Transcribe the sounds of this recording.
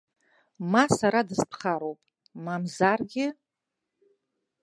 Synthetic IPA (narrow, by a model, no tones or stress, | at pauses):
masaɾadɨzpʰχaɾowpʼ | mamzarɡʲɪ